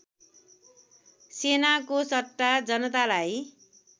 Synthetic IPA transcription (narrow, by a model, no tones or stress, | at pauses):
senakosʌt̪ːad͡zʌnʌt̪alaj